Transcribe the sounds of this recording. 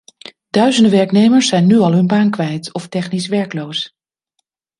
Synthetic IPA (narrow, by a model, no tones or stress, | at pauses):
dœɥzəndəʋɛɹknejməɹsːɛjnːyɑlˠɦɵnbaːnkʋɛjtɔftɛχnis̬ʋɛɹklows